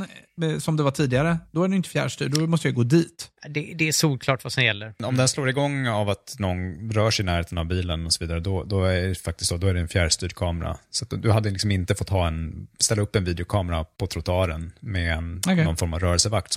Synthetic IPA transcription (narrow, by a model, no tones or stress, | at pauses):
ɛsɔmd̪ɛvaʈʰiːd̪ɪɡaɾəd̪ɔæɖɛnjʏnt̪ə̥fjæ̰ːɾʂt̪y̰ːɖɖɔmɔst̪əjaʏɡoːd̪iːt̪d̪ɛd̪ɛæʂuːlkʰlɑːʈvasɔmjɛlːəɾɔmd̪ɛnsloːɾɪɡɔŋːavat̪nɔnɾœːʂɛɪnæːɾheːt̪ənavbiːlənɔsɔviːd̪aɾəd̪ɔd̪ɔæɖɛfak̚t̪ɪst̪sod̪ɔæɖɛɛnfjæːɾʂt̪yːɾkʰɑːmɛɾa̰sat̪d̪ɵɦad̪ːəlɪksɔmɪnt̪əfɔt̪ʰːɑːɛnst̪ɛlːaɵpːɛnviːd̪ɛʊkʰɑːmɛɾapʰɔt̪ʰɾʊt̪ʊɑːɾənmɛɛnnːɔnfɔɾmavɾœːɾəlsəvak̚t̪s